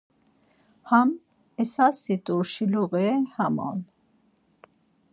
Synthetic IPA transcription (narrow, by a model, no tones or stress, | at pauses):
ham | ɛsasit̪ʼuʃiluɣɛhamɔ̰n